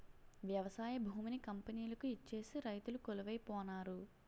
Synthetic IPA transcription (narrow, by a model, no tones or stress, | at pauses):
ʋjɐʋɐsaːjɐbʱuːminikɐmpɐniːlɐkuit͡ʃːe̞ːsiɾɐjt̪ulukolɐʋɐjpɔːnaːɾu